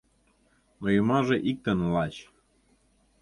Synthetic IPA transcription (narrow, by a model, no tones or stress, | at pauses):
nojumɑʒeʔik̚t̪ə̆nlɑt͡ɕ